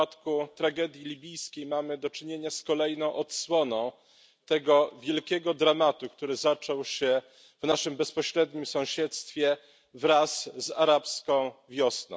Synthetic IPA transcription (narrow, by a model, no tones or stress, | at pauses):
at̪kut̪ɾaɡɛd̪ʲjilʲibʲijskʲejmamɘd̪ɔt͡ʂɘɲeɲaskɔlɛjnɔ̃w̃ʔɔt̪swɔnɔ̃w̃ | t̪ɛɡɔvʲjɛlkʲɛɡɔd̪ɾamat̪ukt̪uɾɘzat͡ʂɔwɕɛ | vnaʂɘmbɛspɔɕɾɛd̪̚ɲimsɔ̃w̃ɕɛt̪st̪fʲjɛ | vɾasːaɾapskɔ̃w̃vʲjɔsnɔ̰̃